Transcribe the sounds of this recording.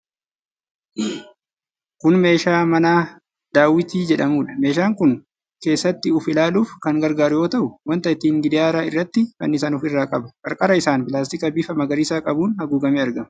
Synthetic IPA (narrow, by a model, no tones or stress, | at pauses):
kʊnme̞ːʃaːmɐnaː | d̪̥aːwɪt̪iːd͡ʒɛᶑɐmuːᶑɐme̞ːʃ̬aːŋkʊn | ke̞ːsːɐt̪ːɪʊfɪlaːluːfkɐŋɡɐɾɡaːɾʊjo̞ːt̪ɐʔʊwɐnt̪ɐɪt̪iːŋɡɪd̪ɪjaːɾaːɪrːɐt̪ːɪkɐ̰nːɪs̬ɐːnʊfɪrːaːkʼɐbɐ̥kʼɐɾkʼɐɾɐɪsaːnpɪlaːst̪ɪkɐbɪfɐmɐɡɐɾɪsaːkʼɐbuːnhɐɡuːɡɐmiːɐɾɡɐmɐ